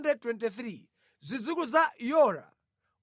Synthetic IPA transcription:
ndɛd̚twɛntiθɾi | zʷid͡zukuzajɔɾa̰

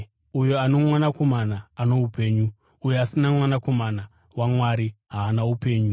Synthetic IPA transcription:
ujoano̞mwanako̞manaːnoupe̞ːɲu | ujeasinamwanako̞mana | wamwaɾiɦaːnaupe̞ːɲu

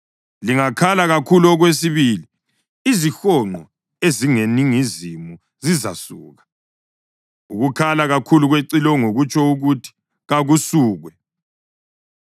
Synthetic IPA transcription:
liŋakʰalaɣakʰuluɔɣwes̬iβili | izixɔŋ͡ǃʱɔ | eziŋeniŋizimu | ziza̰sṵːɣḁ | uɣukʰalaɣakʰuluɣweǀilɔŋoɣut͡ʃʰʼɔuɣutʰi̥ | ɣaɣusuːɣwɛ

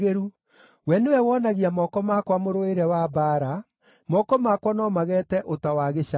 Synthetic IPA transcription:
ɣeɾu | wɛnewɛwɔnaɣiamɔkɔmakwamoɾoeɾɛwabaːɾa | mɔkɔmakwanɔmaɣɛtɛʔotawaɣeʃa

